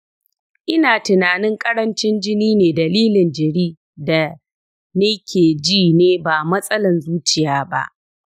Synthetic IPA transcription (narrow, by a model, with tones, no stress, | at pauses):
ʔɪ˦naː˨tɪ˨naː˨nɪ˦ŋkʼɐ˦ɽɐ˦nt͡ʃɪ˦nd͡ʒɪ˦niː˦neː˨dɐ˨liː˦lɪ˨nd͡ʒɐ˨ɽiː˦ | da˨ | neː˦kʲeː˨d͡ʒiː˦˨neː˦baː˨mɐ˦sʼɐ˦lɐ˨nzuː˦t͡ʃɪ˨jaː˨ba̰˦ʔ